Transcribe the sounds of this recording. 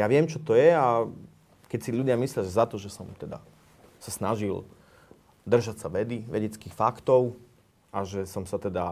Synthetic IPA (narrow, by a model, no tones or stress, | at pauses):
jaʋɪɛmt͡ʃɔt̪ɔjɛa | kɛcsiʎudɪamislɪaʒɛzat̪ɔʒɛsɔmt̪ɛd̪a̰ | sasnaʒil | d̪r̩ʒacsaʋɛd̪iʋɛɟɛt͡skixfakt̪ɔʊ | ʔaʒɛsɔmsat̪ɛd̪a